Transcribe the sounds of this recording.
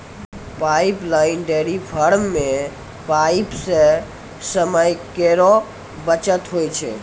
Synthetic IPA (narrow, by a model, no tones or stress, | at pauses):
paɪplaɪnɖeɾipʰəɾmːẽ | paipse | səməjkeɾɔ | bət͡ʃət̪ɦojt͡ʃʰɛ̰